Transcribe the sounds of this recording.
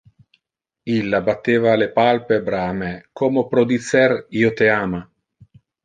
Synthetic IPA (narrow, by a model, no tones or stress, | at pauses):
ilːabat̪ːeːvaːlepalpebɾaːmɛkʰomopɾod̪it̪sɛriːot̪eaːma